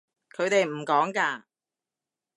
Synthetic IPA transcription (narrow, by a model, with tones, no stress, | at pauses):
kʰɵ˨˧ɥt̪e˨jm̩˨˩kɔː˨˥ŋkaː˧